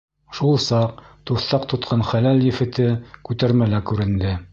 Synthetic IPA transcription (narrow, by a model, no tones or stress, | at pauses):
ʃulˠsɑq̚t̪uθɑqt̪ŏt̪qʰɑnχælæljɘ̆fɘ̆t̪ɘkʉt̪æɾmælækʉɾɘ̆nd̪ɘ